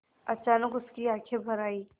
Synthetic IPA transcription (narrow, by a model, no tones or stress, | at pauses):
ɐt͡ʃaːnəkʊskiaːkʰebʱɐɾaːiː